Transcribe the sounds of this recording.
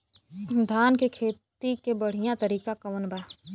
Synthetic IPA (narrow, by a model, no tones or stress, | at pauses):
d̪ʱaːnkekʰeːt̪ikebəɽ̤ijãt̪əɾiːkakɐʋənbaː